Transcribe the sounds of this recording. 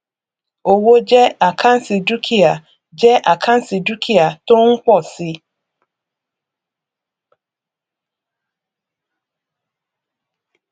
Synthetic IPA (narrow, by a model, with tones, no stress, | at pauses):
o˨wo˦d͡ʑɛ˦a˨kʰã˦n̩˦si˨du˦kʰi˨a˨ | d͡ʑɛ˦ʔa˨kʰã˦n̩˦si˨du˦kʰi˨a˨tʊ̃˦ŋ̩˦k͡pɔ˦˨sɪ˦